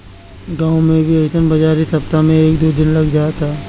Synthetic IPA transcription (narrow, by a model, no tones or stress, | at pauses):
ɡãːwmẽbʱiɐd͡ʒt̪ənbɐd͡ʒaːɾisɐp̚t̪amẽeːkd̪oːd̪ɪnlɐɡd͡ʒaːt̪aː